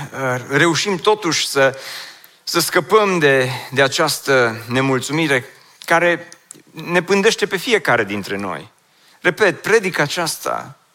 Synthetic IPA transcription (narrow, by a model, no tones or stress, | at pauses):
əre̞uʃimt̪o̞t̪uʃʲsə | səskəpəmd̪e̞d̪e̞at͡ʃast̪əne̞mult̪sumiɾe̞ | kaɾe̞ | ne̞pɨnd̪e̞ʃt̪e̞pe̞fie̞kaɾe̞d̪int̪ɾe̞no̞̰j | re̞pe̞t̪̚pɾe̞d̪ikaːt͡ʃast̪a̰